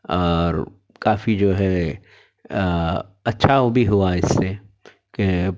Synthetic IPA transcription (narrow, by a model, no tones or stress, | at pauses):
ɔːɾ | kaːfid͡ʒoːɦɛ | ɐtːʃʰaʋobʱiɦuaɪsːe | ke